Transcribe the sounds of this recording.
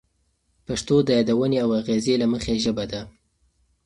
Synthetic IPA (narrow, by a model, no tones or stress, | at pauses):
paʂt̪od̪əjɑd̪awəneawaɣezelaməxeʒəbad̪a